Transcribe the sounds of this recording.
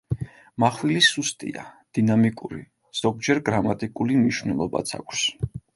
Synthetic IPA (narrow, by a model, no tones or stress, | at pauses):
maχwilisust̪ʼḭa̰d̪̥inamikʼuɾḭ | z̥ɔɡ̚d͡ʒɛɾɡɾamat̪ʼikʼulimniʃvnɛlˠɔba̰t̪sʰa̰kʷʰs